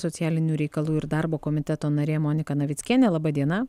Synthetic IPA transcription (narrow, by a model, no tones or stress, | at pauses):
sot̪sʲɪjæːlʲɪnʲuːɾʲɛɪkɐlˠuːɪɾd̪ɐɾboːkoːmʲɪt̪ʲɛt̪oːnɐɾʲeːmoːnʲɪkɐnɐʋʲɪt̪ʲkʲiːnʲɛlˠɐbɐd̪ʲiɛnɐ